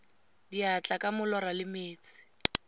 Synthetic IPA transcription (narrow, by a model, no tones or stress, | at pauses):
diat͡ɬʼakʼamʊlɔɾalɪmeːt͡sɪ̥